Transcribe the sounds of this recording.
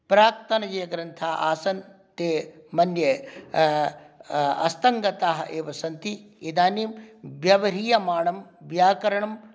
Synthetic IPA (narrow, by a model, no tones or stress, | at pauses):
pɾaːkt̪ɐnɐd͡ʒeːɡɾɐnt̪ʰaːʔaːsɐn | t̪eː | mɐnjɐ | ɐ̰st̪ɐŋɡɐt̪aːɦɐʔeːʋɐsɐnt̪i | id̪aːniːmʋjɐʋɐɾiːjɐmaːɳɐmʋjaːkɐɾɐɳɐm